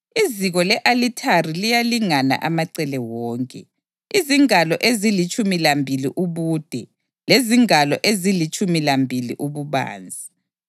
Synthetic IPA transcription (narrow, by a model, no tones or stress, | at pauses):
iziɣɔlɛʔalitʰarilijaliŋana̰ʔamaǀɛlɛwɔːŋkʼɛ̰ | iziŋalɔʔezilit͡ʃʼumilambʱiliʔuβuːd̥ʱɛ | leziŋalɔʔezilit͡ʃʼumilambʱilḭʔuβuβa̰ːnd͡zʱi